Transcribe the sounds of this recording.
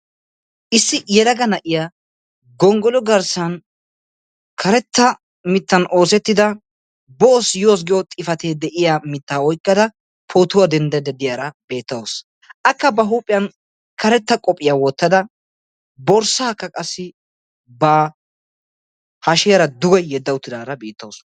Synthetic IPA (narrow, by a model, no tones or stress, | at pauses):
ʔɪsːɪjɛlɐɡɐnɐʔɪjaː | ɡɔŋɡɔlɔɡɐɾsɐn | kʰɐɾɛt̪ːɐ | mɪt̪ːɐnʔo̞ːsɛt̪ːɪd̪ɐ | boːsjoːs̬ɡɪjɔt̪ʼɪfɐt̪eːd̪ɛʔɪjamɪt̪ːaːɔjkʼːɐd̪ɐ | pʰoːt̪ʊwɐd̪ɛnd̪ɛd̪ɛd̪ɪjɐɾɐbe̞ːt̪ːɐwɔs | ʔɐkːɐbɐɦuːpʼːɪjɐn | kʰɐɾɛt̪ːɐkʼɔpʼːɪjawɔt̪ːɐd̪ɐ | bɔɾsaːkːɐkʼɐsːɪ | bɐ | hɐʃɛjɐɾɐd̪ʊɡɐjːɛd̪ːɐwʊt̪ːɪd̪aːɾɐbiːt̪ːɐws